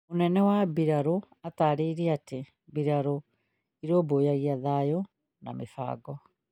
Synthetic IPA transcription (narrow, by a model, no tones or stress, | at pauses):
onɛnɛwabiɾaɾo | ataːɾeiɾiate | biɾaɾo | iɾoːboːjaɣiaðaːjo | na̰mefa̰ːɡɔ